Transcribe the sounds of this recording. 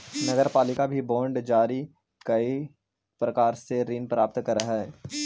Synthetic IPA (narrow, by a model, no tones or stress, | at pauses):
nɐɡəɾpaːlɪkabʱibɔ̃ːɳɖd͡ʒaːɾi | kɐi | pɾɐkaːɾseɾiːnpɾaːp̚t̪kɐɾəɦɛː